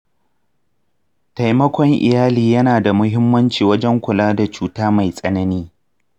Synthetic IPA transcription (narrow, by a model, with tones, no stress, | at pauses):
ta˨jmɐ˦kʷɔ˦ŋʔɪ̰˨jaː˦liː˨jɐ˦naː˨da˨mʊ˦ɦɪ˦mːɐ˦nt͡ʃiː˨wɐ˦d͡ʒɛ˦ŋkʷʊ˨laː˦da˨t͡ʃuː˨taː˦ma˨jsʼɐ˦nɐ˦niː˦